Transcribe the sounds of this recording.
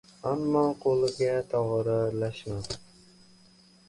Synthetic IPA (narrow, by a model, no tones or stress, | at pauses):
amːɑqʰolˠɪɡʲat̪ʰɒʁɾalaʃma